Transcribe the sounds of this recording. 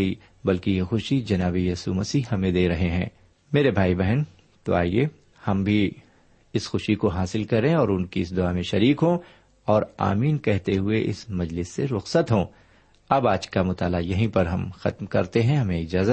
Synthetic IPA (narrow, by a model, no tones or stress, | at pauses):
i | bɐlkijexʊʃid͡ʒɐnaːβejɐːsṵmɐsihɐmẽd̪eːɾɐɦeɦɛ̃ː | meːɾebʱaːibɛɦɛn | t̪o̰a̰ːie | hɐmbʱi | ɪsxʊʃikoɦaːsɪlkɐɾeẽɔːɾʊnkiɪs̬d̪ʊaːmẽʃɐɾiːkɦõ | ɔːɾa̰ːmiːnkɛɦt̪eɦʊeʔɪ̰smɐd͡ʒlɪsːeɾʊxsət̪ɦõː | ɐbaːd͡ʒkamʊt̪aːlajɐɦĩpɐɾɦɐmxɐt̪mkɐɾt̪eɦɛ̃ɦɐmẽɪd͡ʒaːzə